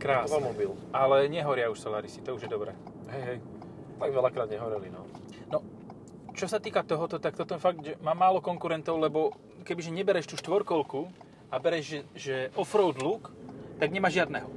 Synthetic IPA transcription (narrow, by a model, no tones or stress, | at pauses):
kɾaːamɔbilʔalɛɲɛɦɔɾɪauʃsɔlaːɾisit̪ɔuʒjɛd̪ɔbɾɛ̰ː | ɦɛjɦɛj | t̪aɡʋɛlakɾaːd̪ɲɛɦɔɾilinɔ | nɔ | t͡ʃɔsat̪iːkat̪ɔɦɔt̪ɔt̪ak̚t̪ɔt̪ɔfaɡʒɛmaːmaːlɔkɔŋkuɾɛnt̪ɔʊlɛbɔ | kɛbiʒɛɲɛbɛɾɛʃt̪uːʃt̪ʋɔɾkɔlku | abɛɾɛʒɛʒɛʔɔfɾɔʊd̪lukt̪aɡɲɛmaːʒɪad̪nɛːɦɔ